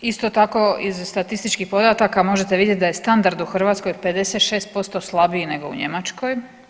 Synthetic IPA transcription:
ist̪ot̪ako̞izst̪at̪ist̪it͡ʃkipo̞d̪at̪akamo̞ʒet̪eʋid̪jet̪̚ʲd̪aje̞st̪and̪aɾd̪uxr̩ʋat̪sko̞jpe̞d̪e̞se̞t̪ʃeːst̪̚po̞st̪o̞slˠabine̞ɡo̞ṵɲe̞mat͡ʃko̞j

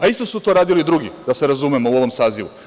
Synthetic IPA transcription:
aist̪o̞sut̪o̞ɾaːd̪ilid̪ɾuɡid̪aseɾazumemouo̞ʋo̞msaːziʋu

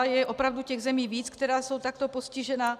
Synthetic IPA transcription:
jɛʔo̞pɾavducɛɣzɛmiːviːt͡skt̪ɛɾaːso̞wt̪akt̪opo̞scɪʒɛna

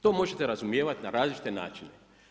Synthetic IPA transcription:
t̪omo̞ʒet̪e̞ɾazumjeːʋat̪ʲnaɾaːzlit͡ʃi̥t̪e̞na̰ːt͡ʃine

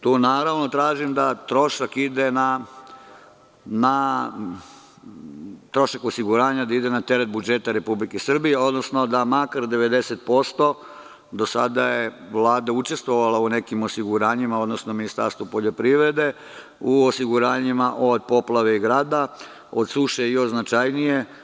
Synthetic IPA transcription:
t̪uːnaːɾaʋno̞t̪ɾaːʒimd̪at̪ɾo̞ʃakid̪e̞na | na | t̪ɾo̞ʃakosiɡuɾaːɲad̪aid̪e̞nat̪e̞ɾet̪̚bud͡ʒet̪aɾe̞publikesr̩bijeo̞d̪no̞sno̞d̪amakaɾd̪e̞ʋe̞d̪e̞set̪̚po̞st̪o̞ | d̪o̞sa̰d̪aje | ʋlˠaːd̪aut͡ʃe̞st̪ʋo̞ʋalaune̞kimosiɡuɾaːɲimao̞d̪nosnominist̪a̰ɾst̪ʋupoʎo̞pɾiʋɾe̞d̪e̞ | uosiɡuɾaːɲimaʔod̪̚po̞plˠaʋe̞iɡɾaːd̪a | od̪suʃeioznat͡ʃajnije

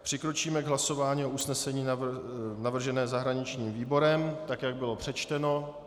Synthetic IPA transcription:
pr̝̥ɪkɾo̞t͡ʃiːmɛɡɦlaso̞vaːɲiːʔousnɛsɛɲiː | navr̩ʒɛnɛːzaɦɾaɲɪt͡ʃɲiːmviːbo̞ɾɛmt̪akjaɡ̚bɪlo̞pr̥ɛt͡ʃt̪ɛno̞

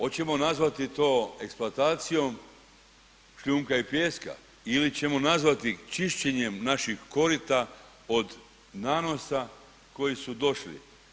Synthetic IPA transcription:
o̞t͡ɕe̞mo̞nazʋat̪it̪o̞ːe̞ksplˠoat̪aːt̪sijo̞m | ʃʎuːmkaipjeːska̰ | ilit͡ɕe̞mo̞nazʋat̪it͡ʃiʃt͡ɕe̞ɲe̞mnaʃixko̞ɾit̪a | o̞d̪ | naːno̞sa | ko̞jisud̪o̞ʃlḭ

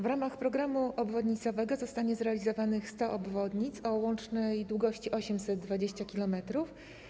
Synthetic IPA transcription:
vɾamaxpɾɔɡɾamuʔɔbvɔd̪ɲit̪sɔvɛɡɔzɔst̪aɲɛzɾɛalʲizɔvanɘxst̪ɔʔɔbvɔd̪ɲit̪sɔwɔnt͡ʂnɛjd̪wuɡɔɕt͡ɕiʔɔɕɛmsɛd̪ːvad͡ʑeɕt͡ɕakʲilɔmɛt̪ɾuf

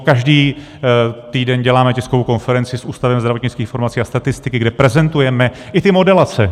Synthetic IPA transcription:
kaʒdiː | t̪iːdɛnɟɛlaːmɛcɛskovowko̞nfɛɾɛnt͡sɪsʔuːst̪avɛmzd̪ɾavot̪ɲɪt͡skiːxfo̞ɾmat͡siːast̪at̪ɪst̪ɪkɪɡdɛpɾɛzɛnt̪ujɛmɛʔɪt̪ɪmo̞dɛlat͡sɛ

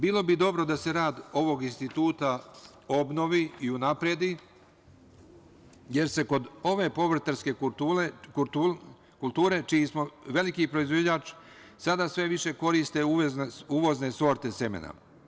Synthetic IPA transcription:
biːlˠo̞bid̪o̞bɾo̞d̪ase̞ɾaːd̪o̞ʋo̞ɡinst̪it̪uːt̪a | o̞bno̞ʋiiunapɾed̪i | je̞ɾse̞ko̞d̪o̞ʋe̞po̞ʋɾ̩t̪aɾske̞ | kulˠt̪uːɾe̞t͡ʃijismo̞ʋe̞likipɾo̞izʋod͡ʑaːt͡ʃ | sad̪asʋe̞ʋiʃe̞ko̞ɾist̪e̞uuʋo̞zneso̞ɾt̪e̞se̞mḛna̰

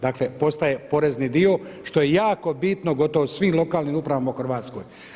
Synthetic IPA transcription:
d̪akle̞po̞st̪aje̞po̞ɾe̞znid̪io̞ | ʃt̪o̞je̞jaːko̞bit̪no̞ɡo̞t̪oʋosʋiːmlˠo̞kaːlˠniːmupɾaʋamauxr̩ʋaːt̪sko̞̰j

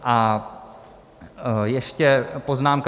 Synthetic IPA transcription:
ʔa | jɛʃcɛpo̞znaːmk

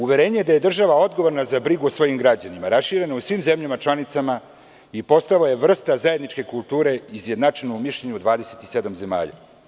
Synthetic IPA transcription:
uʋe̞ɾe̞ːɲejed̪aje̞d̪r̩ʒaʋao̞d̪ɡo̞ʋo̞ɾnazabɾiɡuosʋo̞jimɡɾad͡ʑanimaɾasʃiːɾe̞nausʋimze̞mʎamat͡ʃlanit̪sama | ipo̞st̪aloje̞ʋr̩st̪azajed̪nit͡ʃke̞kulˠt̪uːɾe̞izje̞d̪naʈ͡ʂenoumiʃʎeɲud̪ʋaːd̪ese̞t̪ise̞d̪amze̞ma̰ːʎa̰

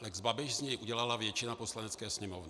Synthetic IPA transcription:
lɛɡzbabɪʃzɲɛjʔuɟɛlalavjɛt͡ʃɪnaposlanɛt͡skɛːsɲɛmovnɪ

